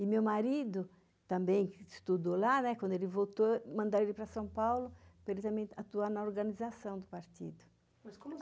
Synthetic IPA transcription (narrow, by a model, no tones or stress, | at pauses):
ɪmewmaɾid̪ʊ | t̪ɐ̃mbẽj̃st̪ud̪olanɛkwɐ̃nd̪elɪvot̪omɐ̃nd̪aɾelɪpɾɐsɐ̃w̃pawlʊpɾelɪt̪ɐ̃mbẽj̃at̪uaɾnɐoɾɡɐnizasɐ̃w̃d̪ʊpaɾt̪ḭd̪ʊ | skom